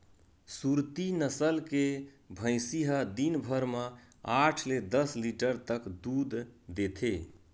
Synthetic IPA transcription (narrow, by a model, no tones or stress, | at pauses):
suɾt̪inəsəlke | bʱə̃ɪsiɦəd̪inbʱəɾmã | aʈʰled̪əsliʈəɾt̪əkd̪ud̪ːet̪ʰe